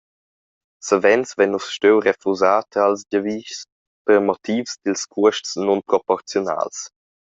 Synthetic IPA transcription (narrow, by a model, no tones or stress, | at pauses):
səvɛnsvɛnusʃtewɾefuzatʰəalsdəviːʃs | pəɾmɔt̪ʰiːfsd̪ilskʰuəʃtsnɔnpɾɔpɔɾt͡sjɔna̰ls